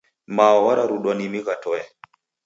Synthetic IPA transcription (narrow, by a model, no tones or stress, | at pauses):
maɔwaɾaɾuɗwanimiɣatɔɛ